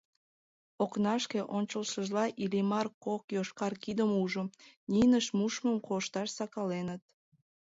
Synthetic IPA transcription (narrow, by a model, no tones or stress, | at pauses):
oknɑʃkeʔonʲt͡ɕəlʃəʒlɑʔilimɑrkokjoʃkɑrkid̪əmuʒəninəʃmuʃməmkoʃt̪ɑʃsɑkɑlenət̪̚